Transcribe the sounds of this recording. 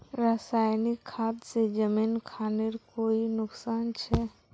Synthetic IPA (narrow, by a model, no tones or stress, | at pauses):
ɾəsajnikʰːad̪sed͡ʒəminkʰaneɾkoinʊksaːnt͡ʃʰɛ